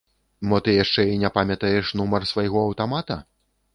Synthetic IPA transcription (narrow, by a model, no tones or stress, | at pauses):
bɔt̪ɨjaʂt͡ʂɛinʲɛpamʲɐt̪ɐjɛʂnumɐrsvajɣɔɐwt̪amat̪ɐ